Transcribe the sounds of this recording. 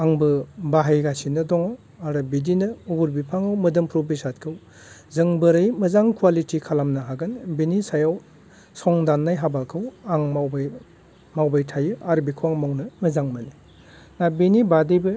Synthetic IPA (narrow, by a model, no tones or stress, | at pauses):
aŋbɯbaɦajɡasinɯdɔŋaw | aɾɯbidinɯuɡuɾbipʰaŋawmɯdɯmpʰɾɔbisat̚kʰɯw | zɯŋbɯɾɯjmɯzaŋkʰwalitikʰalamnaɦaɡɯnbinisajaw | sɔŋdanːajɦabakʰɯwaŋmaw | mawbajtʰajɯaɾbikʰuwaŋmawnɯmɯzaŋmɯni | nabinibadɯjbɯ